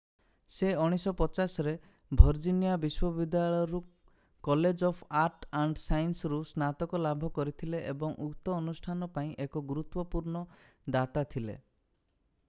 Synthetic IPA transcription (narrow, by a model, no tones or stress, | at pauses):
seɔɽ̃isɔpɔt͡ʃasɔɾe | bʱɔɾd͡ʒinijabiswɔbid̪jaɭɔjɔɾu | kɔled͡ʒɔpʰaɾʈaɳɖsajnsɔɾusnat̪ɔkɔlabʱɔkɔɾit̪ʰileʔebɔŋʔukt̪ɔːnusʈʰanɔpaĩʔekɔɡuɾut̪wɔpuɾɳɔ | d̪at̪at̪ʰilḛ